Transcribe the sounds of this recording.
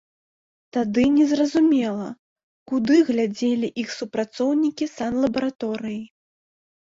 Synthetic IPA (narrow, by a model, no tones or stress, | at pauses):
t̪ad̪ɨnʲɛzrɐzumʲɛlˠɐ | kud̪ɨɣlʲad͡zʲelʲiʔixsupɾat̪sɔwnʲikʲisanlˠɐbɐɾat̪ɔɾɨji